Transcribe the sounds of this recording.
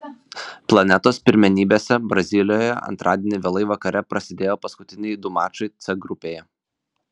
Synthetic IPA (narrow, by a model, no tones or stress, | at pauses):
plˠɐnʲɛt̪oːspʲɪɾʲmʲɛnʲiːbʲeːsʲɛbɾɐzʲɪlʲɪjoːjɛ̰ɐ̰nt̪ɾʔɑːd̪ʲeːnʲɪʋʲeːlˠɐɪʋɐkɐɾʲɛpɾɐsʲɪd̪ʲeːjoːpɐskʊt̪ʲɪnʲɪjd̪ʊmɑːt͡ʃɐɪt̪sʲɛɡɾʊpʲeːjɛ